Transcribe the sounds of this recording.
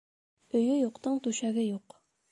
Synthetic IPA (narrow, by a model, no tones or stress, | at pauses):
ɵ̆jɵjuqt̪ɤɴt̪ʉɕæɡɘjuq